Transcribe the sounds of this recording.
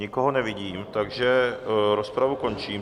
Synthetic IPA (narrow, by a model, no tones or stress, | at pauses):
ɲɪkoɦonɛvɪɟiːmt̪aɡʒɛɾo̞spɾavuko̞nt͡ʃiːm